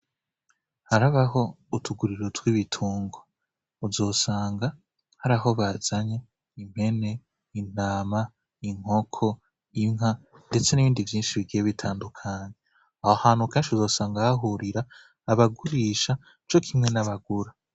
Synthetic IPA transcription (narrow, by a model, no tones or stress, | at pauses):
haɾaβaɦo̞ | utʰuɡuɾiɾotwiβitʰuːŋɡwa | uzo̞ːsaːŋɡa | haɾaɦo̞βaz̥aɲe | im̥he̞ne̞ | in̥aːma | iŋ̥ho̞kʰo̞ | iŋɦa | nde̞t͡se̞niβiːndivjiːnʃiβiɡijeβitʰaːndukʰaːɲe | ahohaːn̥hukeːnʃiuzo̞ːsaːŋɡahaɦuɾiɾaː | βaɡuɾiːʃa | t͡ʃo̞kʰimŋe̞naβaɡuɾa